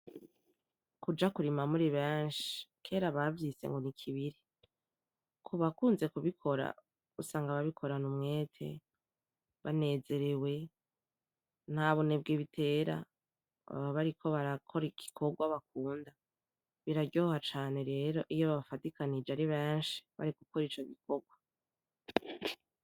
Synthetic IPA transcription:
kud͡ʒakuɾimamuɾiβeːnʃi̥kʰe̞ːɾaβavjisḛŋɡo̞nikʰiβiɾi | kʰuβakuːnze̞kuβikʰo̞ɾa̰ | usaːŋɡaβaβikʰo̞ɾanumŋe̞ːtʰe̞̰ | βane̞ːze̞ɾewe̞ | n̥haβoneb̚ɡiβitʰe̞ːɾa̰ | βaɾikʰo̞βaɾakʰo̞ɾiɡi̥kʰo̞ɡwaβak̚uːnda | βiɾaɟo̞ːhat͡ʃaːne̞ɾe̞ːɾo̞ʔijoβaβafatikʰanid͡ʒeaɾiβeːnʃi̥βa̰ɾiɡuko̞ɾit͡ʃo̞ɡiko̞ɡwa

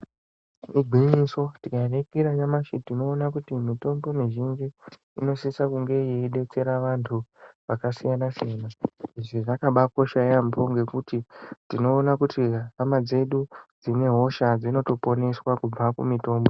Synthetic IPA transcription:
iɡʱiɲiso̞tikarekiɾajamaʃitino̞ːnakutimito̞mbo̞miʒind͡ʒi | ḭno̞sisakuŋɡe̞jeiɗe̞t͡se̞ɾaʋantʰuʋakasijanasijanaiʐiʐakaɓako̞ʃajambo̞ŋɡe̞kutintino̞ːnakutiamad͡ze̞ɗud͡zine̞ɦo̞ʃad͡zino̞to̞po̞ne̞swakub͡vakṵmito̞ːmbo̞

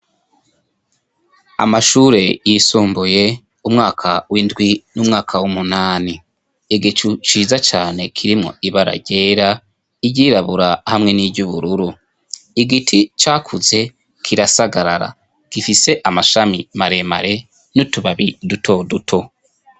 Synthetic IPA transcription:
a̰maʃuːɾe̞jisuːmbuje̞ | umŋaːkʰawindɡwinumŋaːkʰawumunaːniː | ɡit͡ʃut͡ʃiːzat͡ʃaːne̞kʰiɾimŋo̰iβaɾa̰ɟe̞ːɾa | iɟiːɾaβuɾahamŋe̞nibɟuβuɾuɾu | iɡitʰit͡ʃaːkʰuze̞ | kʰiɾasaɡaɾa̰ɾa̰ | ɡ̥ifise̞ʔamaʃamimaɾe̞ma̰ɾe̞ | nutuβaβidutʰo̞dutʰo̞

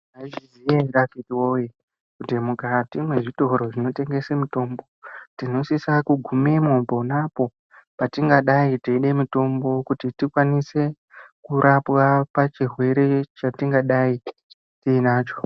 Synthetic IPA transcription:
aizizijarafitiwoje | kudemuɡatimwe̞ʐito̞ɾo̞ʐino̞te̞ŋɡe̞semito̞ːmbo̞tino̞sisakuɡʱumemobo̞napo̞ | patiŋɡaɗaiteiɗe̞mito̞mbo̞kutitikwanise̞ | kuɾʔapwapat͡ʃirwe̞ɾe̞t͡ʃatiŋɡaɗai | tiːnaːt͡ʃo̞

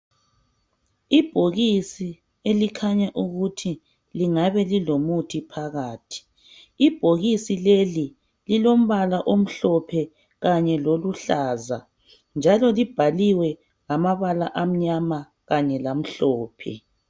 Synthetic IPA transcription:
ib̥ʱoɣisi | elikʰaɲaʔuɣutʰi | liŋaβɛlilomutʰipʰaɣaːtʰi̥ | ib̥ʱoɣisileli | lilom̩βalaʔom̩ɬɔpʰɛ | ɣaɲɛloluɬaːza | nd͡ʒʱalɔlib̥ʱaliwɛ | ŋamaβalaʔam̩ɲama | ɣaɲɛlam̩ɬɔːpʰɛ̰

